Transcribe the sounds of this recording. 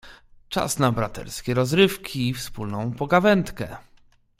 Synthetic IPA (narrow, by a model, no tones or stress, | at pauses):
t͡ʂa̰snabɾat̪ɛ̰ɾskʲɛɾɔzɾɘfkʲʰiːfspulnɔ̃w̃pɔɡavɛnt̪kɛ̰